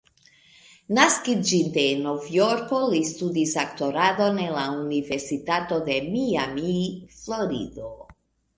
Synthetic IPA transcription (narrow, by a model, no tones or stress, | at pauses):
naskid͡ʒinde̞novjoɾko̞listudisakto̞ɾado̞nenlaunive̞ɾsitato̞d̪e̞miamiflo̞ɾḭdo